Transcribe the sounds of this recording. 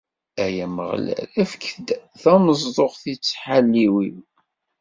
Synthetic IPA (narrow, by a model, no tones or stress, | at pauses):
æjæmə̰ʁlæ̰læfkːθd̪θæməzˤðˤoʁθit͡sːħalːiwim